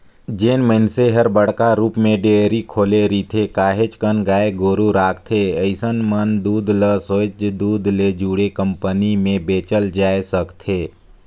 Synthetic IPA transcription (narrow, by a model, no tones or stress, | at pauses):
d͡ʒeːnməɦɪnseɦəɾbəɽ̤kaɾuːpmẽɖeəɾikʰoːleɾit̪ʰekaːɦet͡ʃkənɡaːeɡoːɾuɾaːkʰt̪ʰeəɪsənmənd̪uːd̪ʱləsot͡ʃd̪uːd̪ʱled͡ʒuːɽekə̃mpənimẽbeːt͡ʃəld͡ʒaːesəkt̪ʰeː